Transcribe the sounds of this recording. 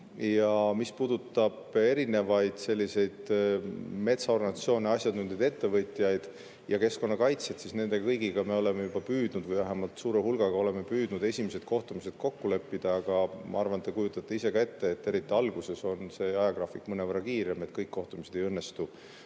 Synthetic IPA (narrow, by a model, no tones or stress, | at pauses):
jɑmispuːd̪ut̪ːˑɑb̥e̞ɾine̞vɑjd̪̥se̞lʲːise̞jd̪̥ | me̞t̪sɑo̞rɡɑnɑt̪sio̞ːneɑsʲjɑd̪nuned̪et̪ːe̞vɤt̪ˑjɑjd̪̥ | jɑke̞sko̞nːɑkɑjt̪set̪sisne̞nd̪̥e̞ɡɑkɤjɡiɡ̥ɑme̞o̞le̞mejub̥ɑpyːd̪̥nud̪̥vɯjvæɦæmɑlt̪suːɾehulɡ̥ɑɡ̥ɑo̞le̞me̞pyːd̪̥nud̪̥e̞sʲimised̪̥ko̞ht̪umise̞d̪̥̚ko̞kːule̞pːid̪̥ɑɑɡ̥ɑmɑ̰ɑrvɑnt̪ːˑekujut̪ːˑɑt̪ːˑe̞ise̞kɑe̞t̪ːeːt̪ːe̞ɾit̪ːˑiɑlɡuse̞so̞nse̞ːɑjɑɡrɑːfikːmɤnevərːɑkiːɾeme̞t̪kɤjkːo̞ht̪umised̪e̞jɤnːe̞st̪u